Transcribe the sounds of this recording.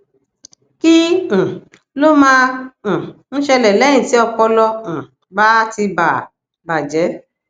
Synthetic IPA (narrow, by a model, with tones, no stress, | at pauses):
kĩ˦˨ | lo˦mãː˦˨ | ñ̩˦ʃɛ˧lɛ˨lɛ̃˨˦ĩ˨ti˦ɔ˧k͡pɔ˧lɔ̃˧˨ | ba˦ti˧ba˨ | ba˨d͡ʒɛ˨˦